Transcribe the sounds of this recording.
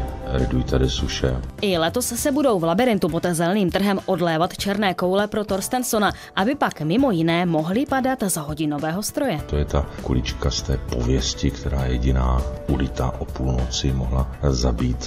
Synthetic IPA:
ɾɛdujit̪adɪsuʃɛ̰ʔɪlɛt̪o̞ssɛbudo̞wvlabɪɾɪnt̪upot̪zɛlniːmt̪r̩ɦɛmʔodlɛːvat̪t͡ʃɛɾnɛːko̞wlɛpɾot̪oɾst̪ɛnsona | ʔabɪpakmɪmo̞jɪnɛːmo̞ɦlɪpadat̪zaɦo̞ɟɪno̞vɛːɦo̞st̪ɾo̞jɛt̪ojɛt̪akṵlɪt͡ʃkast̪ɛːpo̞̰vjɛscɪkt̪ʰɛɾaːjɛɟɪnaːʔulɪt̪a̰ʔopuːlnot͡sɪmoɦlazabiːt̪

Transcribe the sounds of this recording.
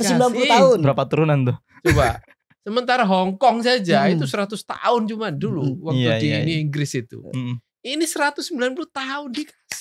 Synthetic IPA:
t̪usəbilanpulut̪aʊnbəɾapat̪uɾunant̪ʊh | t͡ʃoba̰ | səmənt̪aɾaɦɔŋkɔŋs̬ad͡ʒaiusəɾat̪ʊst̪a̰ʊnt͡ʃumaduluwakt̪adiniiŋɡɾɪsit̪ṵ | inisəɾat̪ʊsəmbilanpuluht̪aʊndikḁs

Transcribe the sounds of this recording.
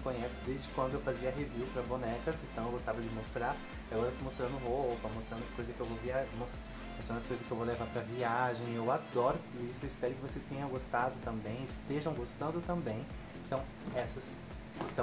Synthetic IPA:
kõɲɛsʊd̪ezd͡ʒɪkwɐ̃nd̪ʊewfaziɐɦeviwpɾɐbonɛkɐsẽt̪ɐ̃w̃ewɡost̪avɐd͡ʒɪmost̪ɾaɾ | iaɡɔɾɐet̪omost̪ɾɐ̃nd̪ʊɦopɐmost̪ɾɐ̃nd̪ɐskojzɐskɪewvoviamos | most̪ɾɐ̃ɐskojzɐskɪewvowlevaɾpɾɐviaʒẽj̃ewad̪ɔɾʊt̪ud̪uisʊewɪspɛɾʊkɪvosest̪ẽɲɐ̃w̃ɡost̪ad̪ʊt̪ɐ̃mbẽj̃ɪst̪eʒɐ̃w̃ɡost̪ɐ̃nd̪ʊt̪ɐ̃mbẽj̃ | ẽnt̪ɐ̃w̃ | ɛsɐs | t̪ɐ̃

